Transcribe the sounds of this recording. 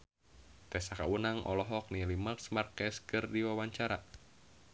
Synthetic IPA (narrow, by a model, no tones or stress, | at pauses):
t̪ɛsakaunaŋʔɔ̰lɔɦɔk̚nilimarsmarkɛskɨrdiwawaɲt͡ʃaɾa